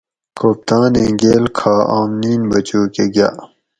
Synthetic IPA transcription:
koːp̚t̪aːnẽːɡeːlkʰaːaːmniːnbɐt͡ɕoːkeɡja̰ː

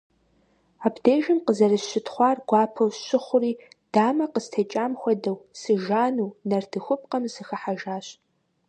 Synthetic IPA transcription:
aːbdeːʒɪmqəzɐrɨɕɪtχʷɑːrɡʷɑːpʰɐwɕɪχʷʊriː | d̥aːmɐqəstʰɐt͡ʃʼaːmxʷɔdɐwsɨʒaːnuːnɐrtʰɨxʷʊp̚ʼqɐmsɨxɐħaʒaːɕʼ

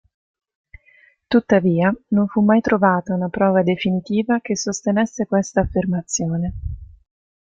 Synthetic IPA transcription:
t̪ut̪ːaviːanoɱfumːajt̪ɾovaːt̪aunapɾɔːvad̪efinit̪iːvakesːost̪enesːekwest̪aːfːermat̪sːjoːne

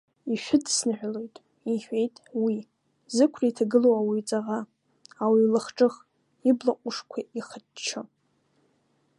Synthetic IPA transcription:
iʃᶣʊdsnɨħᶣʷlo̞jtʼ | iħʷᶣe̞jtʼwi | zɨkʷʰraitʰaɡɨlowawit͡sʼaʁa | awilɨχʈ͡ʂʼɨχ | iblaqʷʼʊʂkʷʰaiχədt͡ʃʰɨ

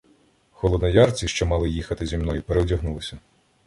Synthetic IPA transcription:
xɔlˠɔd̪nɐjɑrt͡sʲiʃt͡ʃɔmɑlˠɪjixɐt̪ɪzʲimnɔjupeɾewdʲɐɦnulˠɪsʲɐ

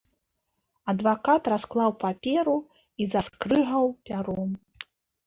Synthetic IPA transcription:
ɐd̪vakat̪rasklˠawpapʲɛɾu | izaskɾɨɣɐwpʲaɾɔm

